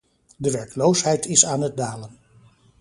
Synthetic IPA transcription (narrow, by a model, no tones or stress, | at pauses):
dəʋɛɹklowsɦɛjtʰɪsaːnɦət̚daːlən